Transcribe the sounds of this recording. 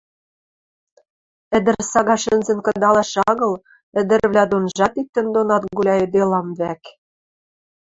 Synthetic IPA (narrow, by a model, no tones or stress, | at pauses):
ɘ̆d̪ɘ̆rsɑɣɑʃɘ̆nzɘ̆nkɤ̆d̪ɑlɑʃɑɣɤ̆l | ɘ̆d̪ɘ̆ɾβlʲæd̪onʒɑt̪ik̚t̪ːɘ̆nd̪onɑt̪ɡulʲɑĕd̪elɑmβæk